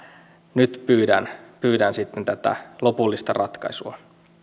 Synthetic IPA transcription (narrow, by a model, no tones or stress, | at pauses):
nyt̪pyːdænpyːdænsit̪ːent̪æt̪æ̰lopulːist̪ɑrʔɑt̪kɑ̰isuɑ